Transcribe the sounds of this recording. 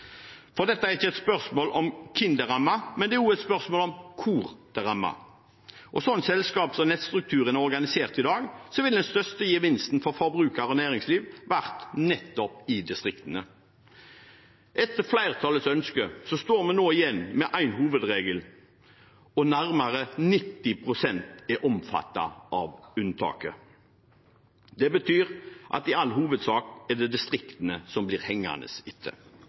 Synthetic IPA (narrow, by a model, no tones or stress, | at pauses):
fɔʁd̪ɛt̪ːəæʁɪçːəɛt̪spœʁsmoːlɔmkʰɪnd̪əʁɑmːɑmɛnd̪ɛjʊɛt̪spœʁsmoːlɔmkʰuːʁd̪̥əʁɑmːɑ̰ | ʔɔsɔnːsɛlskɑːpsɔmnɛt̪st̪ʁʉk̚t̪ʰʉːʁənæʁɔʁɡɑnɪseːʁt̪ɪd̪ɑːɡsɔʋɪld̪ɛnst̪œst̪əjiːʋɪnst̪n̩fɔʁfɔʁbʁʉːkəʁɔnæːʁɪŋsliːʋʋæʁt̪nɛt̪ːɔpɪd̪ɪst̪ʁɪkt̪ənə | ʔɛt̪əʁflæɪʁət̪ʰɑːlət̪sœnskəsɔst̪oːɾmɛnnoːɪjɛnːmɛʔæɪnhuːʋəd̪ʁeːɡəl | ɔnæʁmɑʁənɪt̪ːɪpʰʁʊsɛnt̪ɛʔɔmfɑ̰t̪ːɑ̰ʔɑʋʉnt̪ʰɑ̰ːkə | d̪ɛbət̪ʰyːʁʔɑ̰t̪ɪɑlːhuːʋəd̪sɑːkɛd̪ɛd̪ɪst̪ʁɪkt̪ənəsɔmbliːʁhɛŋːɑ̰nə̰sɪt̪ʰːə̰